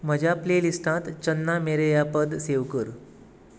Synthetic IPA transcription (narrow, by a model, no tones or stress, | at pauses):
m̤əd͡ʑʱaplelisʈãt̪t͡ɕənːameɾejapəd̪seʋkəɾ